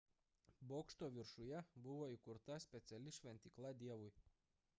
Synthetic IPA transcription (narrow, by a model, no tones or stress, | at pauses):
boːkʃt̪oːʋʲɪɾʃʊjɛbʊʋoːikʊɾt̪ɐsʲpʲɛt̪sʲɛlʲɪʃʲʋʲɛnʲt̪ʲiːklˠɐd̪ʲiɛʋʊj